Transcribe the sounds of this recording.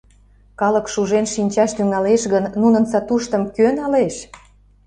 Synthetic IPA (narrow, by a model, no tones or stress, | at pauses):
kɑlə̆kʃuʒenʃinʲt͡ɕɑʃt̪yŋɑleʃɣənːunənsɑt̪uʃt̪ə̆mkønɑleʃ